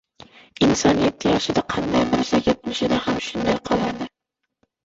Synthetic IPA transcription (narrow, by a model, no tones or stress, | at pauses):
ɪnsɒnjet̪ʰːɪjɒʃɪd̪aqʰɑnd̪ajbɪɾsajʲet̪̚mɪʃɪd̪ahamʃʊnd̪ajqʰɒlˠad̪ɪ